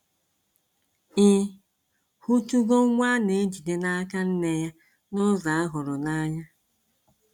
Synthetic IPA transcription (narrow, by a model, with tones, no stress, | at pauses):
ɪ˦ | hu˦tu˦ɡo˦ŋʷa˦ne˨˦d͡ʒi˨de˦na˦ka˦n̩˦ne˦ja˦ | nʊ˦za˨a˦ɦʊ˨ɾʊ˨na˦ɲa˦